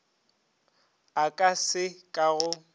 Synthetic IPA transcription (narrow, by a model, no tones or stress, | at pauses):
akʼasɪkʼaɣʊ